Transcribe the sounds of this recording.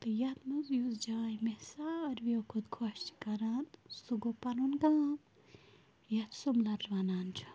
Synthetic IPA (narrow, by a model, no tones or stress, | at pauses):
t̪ɨjɐt̪mɐzjuzd͡ʒaːjmesaɾʋiokʰud̪kʰoʃt͡ʃi̥kɐɾansuɡopɐɾunɡaːm | jɐt̪sumlɐɾʋɐnaːnd͡ʒu̥